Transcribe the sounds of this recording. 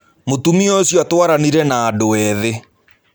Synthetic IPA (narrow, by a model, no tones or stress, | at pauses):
motumiosjɔtwaɾaniɾɛnaːdoɛðe